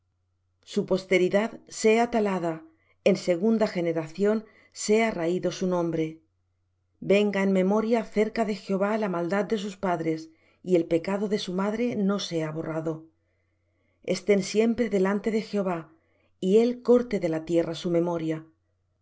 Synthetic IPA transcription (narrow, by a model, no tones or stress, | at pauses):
supo̞st̪e̞ɾiðaðse̞at̪alaða | e̞nse̞ɣ̞und̪axe̞ne̞ɾaθjo̞n | se̞araiðo̞sunõ̞mbɾe̞ | be̞ŋɡaenmẽ̞mo̞ɾjaθe̞ɾkaðe̞xeo̞βalamald̪ad̪̚d̪e̞s̬uspaðɾe̞s | ie̞lpe̞kaðo̞ðe̞sumaðɾe̞no̞se̞aβo̞rʔaðo̞ | est̪e̞nsje̞mpɾe̞ðe̞lant̪e̞ðe̞xeo̞β̞a | ie̞lko̞ɾt̪e̞ðe̞lat̪je̞rasumẽ̞mo̞ɾja